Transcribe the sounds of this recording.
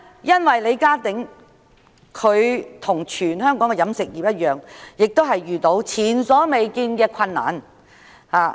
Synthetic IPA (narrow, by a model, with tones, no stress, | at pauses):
jɐ˥nwɐ˨jle˨˧jkaː˥t̪ɪ˨˥ŋ | kʰɵ˨˧ɥt̪ʰʊ˨˩ŋt͡ʃʰyː˨˩nɦœː˥ŋkɔː˨˥ŋkɛ˧jɐ˨˥msɪ˨k̚jiː˨p̚jɐ˥t̚jœː˨ŋjɪ˨k̚t̪o˥wɦɐ˨jɥyː˨t̪o˨˧˥wt͡sʰiː˨˩nsɔː˨˥me˨jkiː˧nkɛː˧kʰɐ˧nːa̰ː˨n | haː˨˩